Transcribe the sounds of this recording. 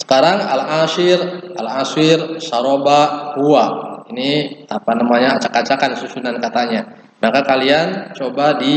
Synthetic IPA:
sə̥kaɾaŋa̰laʃɪralasɪrsaɾobahuainiapanamaɲaːt͡ʃḁkat͡ʃakansusunankat̪aɲa | makakaliant͡ʃobadi

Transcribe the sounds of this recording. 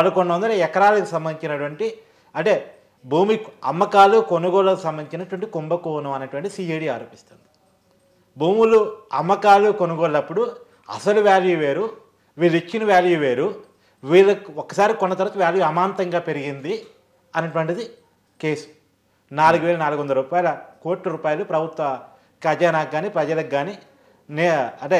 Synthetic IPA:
ɐlɐkɔɳːɐʋɐnd̪ɐɾeɛkɐɾaːlɐkusɐmbɐnd̪it͡ʃinɐʈuʋɐɳʈi | ɐɳʈe̞ː | bʱuːmiɐmːɐkaːluko̞nuɡɔːɭɐkusɐmbɐnĩt͡ʃinɐʈuʋɐɳʈikumbɐkuːnɐmɐnɐʈuʋɐɳʈid̪isiːɐjɽiːaːɾoːpist̪und̪i | bʱuːmuluɐmːɐkaːlukonuɡoːɭːɐpːuɽu | ɐ̰sɐluʋjaːljuʋe̞ːɾu | ʋiːlːit͡ʃːinɐʋjaːljuʋe̞ːɾu | ʋiːlɐokːɐsaːɾikɔnːɐt̪ɐɾɐk̪uʋjaːljuɐmaːnt̪ɐŋɡaːpe̞ɾiɡind̪i | ɐnɐʈ̬uʋɐɳʈid̪i | ke̞ːsu̥ | naːluɡuʋeːlɐnaːluɡuʋɐnd̪ɐɾuːpaːjɐlɐkoːʈlɐɾuːpaːjɐloːpɾɐbʱut̪ʋɐ | kɐd͡ʒaːnaːɡːaːnipɾɐd͡ʒɐlɐɡːaːni | nɐʈe

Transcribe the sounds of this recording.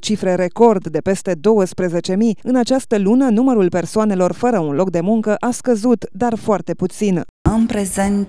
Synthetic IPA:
t͡ʃifɾe̞ɾe̞ko̞rd̪d̪e̞pe̞st̪e̞d̪o̞wəspɾe̞ze̞t͡ʃe̞miɨnat͡ʃast̪əlunənuməɾulpe̞rsoane̞lo̞rfəɾəunlo̞k̚d̪e̞muŋkəʔaskəzut̪d̪arfoart̪e̞put̪sin | ɨmpɾe̞ze̞nt̪

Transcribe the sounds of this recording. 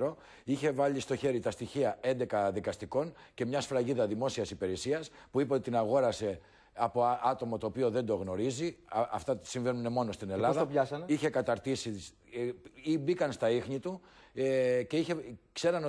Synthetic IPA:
ɾo̞ | içe̞vɐʎist̪o̞çe̞ɾit̪ɐst̪içiɐe̞nd̪e̞kɐðikɐst̪iko̞nce̞mɲɐsfɾɐʝiðɐðimo̞siɐsipe̞ɾesiɐspuipeot̪it̪inɐɣo̞ɾɐse̞ | ɐpo̞ʔɐt̪o̞mɐt̪o̞ːpio̞ðe̞nd̪o̞ɣno̞ɾiziɐft̪ɐsiɱve̞nune̞mo̞no̞st̪ine̞lɐðsðɐopɐsɐniçe̞kɐt̪ɐɾt̪isi | ibikɐnst̪ɐixɲit̪u | ce̞içe̞kse̞ɾɐno

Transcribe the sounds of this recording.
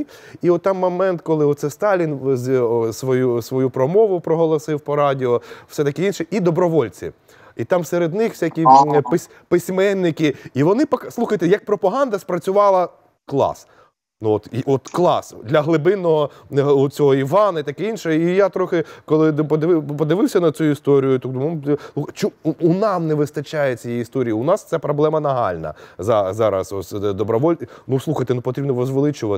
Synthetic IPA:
iɔt̪ːɑmːɔmɛnt̪kɔlˠɪɔt̪sɛst̪ɑlʲinzsʋɔjusʋɔjupɾɔmɔʋʊpɾɔɦɔlˠɔsɪwpɔɾɑdʲɪɔfsɛt̪ɐkɪinʃɛʔid̪ɔbɾɔʋɔlʲt͡sʲḭ | it̪ɑmseɾed̪nɪxwfsʲakʲiɪsʲ | pɪsʲmɛnːɪkʲɪiʋɔnɪpɔkslˠuxɐjt̪ejɐk̚pɾɔpɐɦɑnd̪ɐspɾɐt͡sʲʊʋɑlˠɐ | klˠɑ̰s | nɔt̪iɔt̪klˠɑ̰sd̪lʲɐɦlˠɪbɪnːɔɦɔ | t͡sʲɔɦɔiʋɑnɐit̪ɐkɛinʃɛijat̪ɾɔxɪkɔlˠɪpɔd̪ɪʋɪpɔd̪ɪʋɪwsʲɐnɐt͡sʲuist̪ɔɾʲijʊt̪ɔmɔmˠuxt͡ʃʊunɑmnɛʋɪst̪ɐt͡ʃajɛt͡sʲijɛjist̪ɔɾʲijiʊnɑst̪sɛpɾɔblˠɛmɐnɐɦɑ̰lʲnɐ̰zɑzɑɾɐ̰sɔsʲd̪ɔbɾɔʋɔlʲnuslˠuxɐjt̪enupɔt̪ɾibnɔɾɔzʋelˠɪt͡ʃʊʋɐ

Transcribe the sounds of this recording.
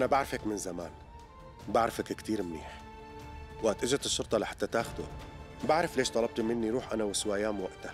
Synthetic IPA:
ʔanabaʕɾɪfakmɪnzamaːn | baʕɾɪfakkt̪iːɾmnḭːħ | wʔat̪ʔɪʒt̪ɪʃːʊɾt̪ˤɑlaħḁt̪ːat̪aːxʊd̪ṵ | baʕɾˤɪfleːʃt̪ˤɑlɑb̚t̪imɪnːiɾuːħʔanawɪswajaːmwaʔt̪a

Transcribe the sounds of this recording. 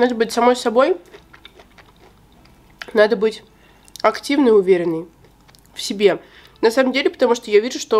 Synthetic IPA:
nad̪əbɨtʲsɐmo̞jsɐbo̞j | nad̪əbɨtʲ | ɐktʲivnəɪʊvʲeɾʲɪnːəj | fsʲɪbʲe̞ | nɐsaməmdʲelʲɪpə̥t̪ɐmuʂt̪ojavʲiʐʊʂt̪o̞

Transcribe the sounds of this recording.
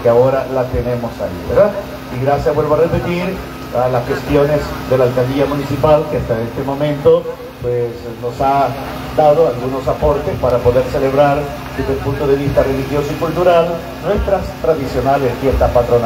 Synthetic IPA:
keaoɾalat̪ene̞mo̞saḭβeɾða | iɣɾasjawe̞lβoarepet̪iɾ | alasxe̞st̪jo̞ne̞zðe̞laːlkald̪iamũnisipalkeast̪aest̪e̞mo̞mẽ̞nt̪o̞ | pwes | no̞sa | d̪að̞o̞alɣuno̞sapo̞ɾt̪espaɾapo̞ðe̞ɾse̞le̞βɾaɾ | d̪ezðelpunt̪oðe̞β̞ist̪are̞lixjo̞soikult̪uɾal | nwe̞st̪ɾast̪ɾaðisjo̞naleskiest̪apat̪ɾona

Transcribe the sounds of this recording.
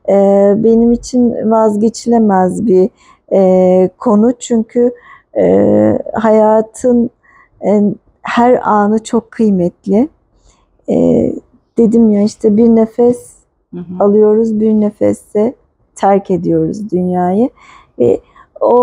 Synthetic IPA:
ɛːbe̞nimit͡ʃʰinvazɟe̞t͡ʃʰilʲemɛzbi | ɛːkʰo̞nut͡ʃʰyɲcʰy | hajaːt̪ʰɯn | hæɾaːnɯt͡ʃʰo̞kʰːɯjmɛt̪ʰlʲɪ | ɛ̰ | d̪̥e̞d̪imjaiʃt̪ʰɛbiɾnefɛs | alˠɯjo̞ɾuzbiɾnefɛ̰sɛ | t̪ʰæɾcʰe̞d̪ijo̞ɾṵzd̪ynjaːjɯ | vɛ̰ | o

